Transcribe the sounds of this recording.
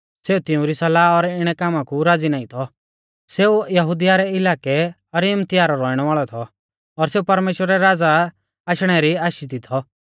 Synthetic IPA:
seːut̪ɪũɾisɐlaːɔɾɪɽ̃ɛkaːmakuɾaːd͡zinaːĩt̪ʰɔ | seːujɐɦʊd̪ɪjaɾɛɪlaːkɛ | ɐɾiːmt̪ɪjaːɾɔɾɔːɪɽ̃ɛʋaːɭɔt̪ʰɔ | ɔːɾseːupɐɾmeːʃwəɾɛɾaːd͡zaː | ʃɽ̃ɛɾiaːʃid̪ɪt̪ʰɔ

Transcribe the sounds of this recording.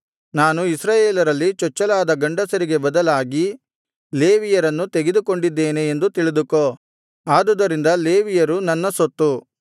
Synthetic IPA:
naːnuisɾaːjeːlɐɾɐlːit͡ʃɔt͡ʃːɐlaːd̪ɐɡɐɳɖɐsɐɾiɡe̞bɐd̪ɐlaːɡi | le̞ːʋijɐɾɐnːut̪eɡed̪uko̞ɳɖid̪ːeːneːnd̪ut̪iɭid̪uko | aːd̪ud̪ːɐɾind̪ɐle̞ːʋijɐɾunɐnːɐsot̪ːu

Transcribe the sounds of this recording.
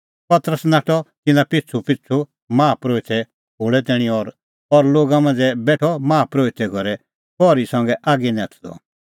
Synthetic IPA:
pɐt̪ɾəsnaːʈɔt̪ɪnãpɪt͡sʰupɪt͡sʰu | mãːpɾoːit̪ʰɛ | ɡoːɭɛt̪ɛːɽ̃ĩɔɾ | ɔɾloːɡamãːnd͡zɛbɛʈʰɔmaːpɾoːit̪ʰɛɡɔɾɛ | kɔɾisãŋɡɛʔaːɡinɛ̃ːt̪ʰd̪ɔ̰

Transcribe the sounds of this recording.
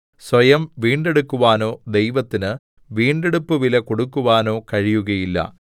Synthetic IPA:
sʋɐjɐmʋiːɳɖe̞ɽukːuʋaːno̞ːd̪e̞jʋɐt̪ːinɨ | ʋiːɳɖe̞ɽupːɨʋilɐko̞ɽukːuʋaːno̞ːkɐɻijuɣɐjilːɐ̰

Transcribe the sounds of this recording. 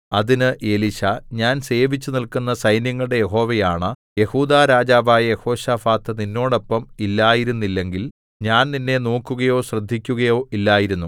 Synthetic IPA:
ɐðinɨʔe̞liɕɐɲaːnse̞ːʋit͡ɕːunilkunːɐsɐjnjɐŋːɐɭɽe̞je̞ɦo̞ːʋɐjaːɳɨje̞huːd̪aːɾaːd͡ʑaːʋaːjɐjeho̞ːɕaːfaːt̪ːɨninːo̞ːɽo̞pːɐmilːaːjiɾunːilːe̞ŋɡil | ɲaːnninːe̞no̞ːkːuɣɐjo̞ːɕrɐd̪ʱːikʲːuɣɐjo̞ːʔilːaːjiɾunːu

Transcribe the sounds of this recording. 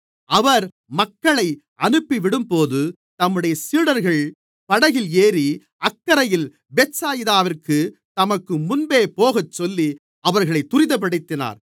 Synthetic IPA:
ɐʋɐɾ | mɐkːɐɭɐɪ | ʔɐnɯpːiʋɪɽɯmpoːðɯ | t̪ɐmːɯɽɐjɐsiːɽɐɾɣɐɭ | pɐɽɐjɪleːɾi | ɐkːɐɾɐjɪl | bɛʈsaːjɪðaːʋɪrkɯt̪ɐmɐkːɯmʊnbeːpoːɣɐt͡ʃːɔlːi | ʔɐʋɐɾɣɐɭɐɪt̪ːʊɾɪðɐpɪɽɐɪt̪ːɪna̰ːɾ

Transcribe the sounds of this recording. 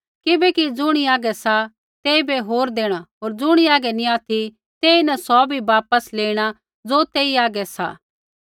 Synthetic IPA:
kɪbɛkid͡zʊɽ̃iaːɡɛsa | t̪eːibeɦoːɾd̪eːɽ̃aɦoːɾd͡zʊɽ̃iaːɡɛniãt̪ʰi | t̪eːinɛsɔbʱiʋaːpəsleːɽ̃a | d͡zoːt̪eːiaːɡɛsa̰ː

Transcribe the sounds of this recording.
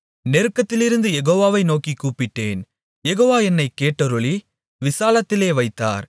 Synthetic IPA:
nɛɾɯkːɐt̪ːɪlɪɾɯnd̪ɯjɛɣoːʋaːʋɐɪnoːkikːuːpːɪʈːeːn | jɛɣoːʋaːɛnːɐɪkːeːʈːɐɾɯɭi | ʋɪsaːlɐt̪ːɪleːʋɐɪt̪ːa̰ːɾ

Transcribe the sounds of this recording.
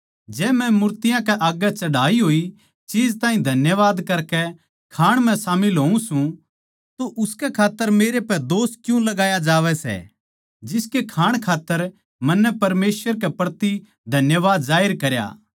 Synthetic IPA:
d͡ʒɛːmɛ̃mʊɾt̪ɪjãkɛʔaːɡjɛt͡ʃɐɽaːiɦoːi | t͡ʃiːd͡ʒt̪ãːɦĩd̪ʱɐnjəʋaːd̪kɐɾkɛ | kʰaːɽ̃m̤ɛ̃saːmɪlɦoːũsũ | t̪oʔʊskɛkʰaːt̪ːəɾmeːɾepɛd̪oːskjũlɐɡaːjad͡ʒaːʋɛsɛ̰ | d͡ʒɪskekʰaːɽ̃kʰaːt̪ːəɾ | mɐnːɛpɐɾmeːsʋəɾk̬ɛpɐɾt̪i | d̪ʱɐnjəʋaːd̪zaːɪɾkɐɾja̰ː

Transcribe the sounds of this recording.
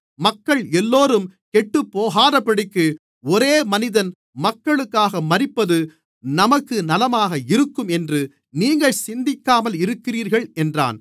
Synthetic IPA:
mɐkːɐɭɛlːoːɾɯmkɛʈːɯpːoːɣaːɾɐpːɐɽɪkːɯ | ɔɾeːmɐnɪðɐn | mɐkːɐɭɯkːaːɣɐmɐɾɪpːɐðɯ | nɐmɐkːɯnɐlɐmaːɣɐɪɾɯkːɯmɛndrɯ | niːŋɡɐɭsɪnd̪ɪkːaːmɐlɪɾɯkːɪriːɾɣɐɭɛndra̰ːn

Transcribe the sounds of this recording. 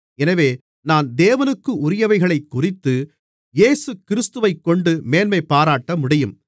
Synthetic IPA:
ɛnɐʋeː | naːnd̪eːʋɐnɯkːɯʊɾɪjɐʋɐɪɣɐɭɐɪkːʊrɪt̪ːɯ | jeːsɯkɪɾɪst̪ɯʋɐɪkːɔɳɖɯmeːnmɐɪpːaːɾaːʈːɐmʊɽɪjɯm

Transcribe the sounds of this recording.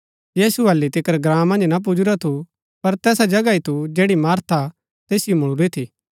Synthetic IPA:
jiːsuɐlːit̪ɪkəɾɡɾãːmːɐ̃nd͡ʒnap̬ud͡ʒʊɾat̪ʰu | pɐɾt̪ɛːsad͡ʒɐɡait̪ʰud͡ʒeːɽimaːɾt̪ʰa | t̪eːsɪjomʊɭ̃uɾit̪ʰiː

